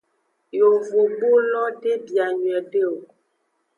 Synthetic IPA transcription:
jo˨vo˨bo˦lɔ˦de˦bja˨ɲɥɛ˨de˦o˨

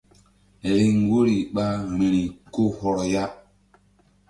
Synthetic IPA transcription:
e˨ɾi˦ŋ˦ɡo˦ɾi˨ɓa˦˨me˨ɾi˨ko˦hɔ˨ɾɔ˨ja˦

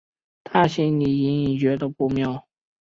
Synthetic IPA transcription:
t̪ʰa˥˧ɕi˥ŋni˨˩i˧˥ni˨˩ŋt͡ɕɥɛ˧˥d̪ə˧pu˥˧mjɑ˥˩ʊ

